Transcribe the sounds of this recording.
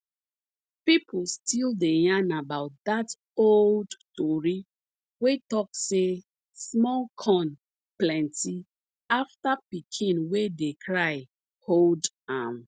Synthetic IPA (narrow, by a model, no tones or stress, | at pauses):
pipʰl̩stʰildejãnabaʊt̚dat | oldtɔɹi | wetɔkse | smɔlkʰɔ̃n | plɛ̃nti | aftapikʰĩnwedekʰɹaɪ | hold | ãm